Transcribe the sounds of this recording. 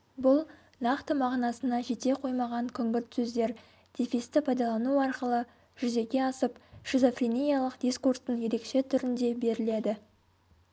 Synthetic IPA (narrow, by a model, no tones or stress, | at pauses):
bʊlˠ | nɑqt̪əmɑʁnɑsənɑʒe̞t̪e̞qʰo̞jmɑʁɑŋkʲʰʏŋɡʲɪɾt̪sɵzd̪e̞ɾ | d̪̥ifist̪ɪpʰɑjd̪ɑlˠɑnuɑɾqəlˠə | ʒ̥ʏze̞kʲe̞ɑsəpʃizofrʲinʲijɑlˠəqd̪iskurst̪əɴje̞ɾe̞kʃe̞t̪ʰʏɾɪnd̪e̞be̞ɾɪle̞d̪ɪ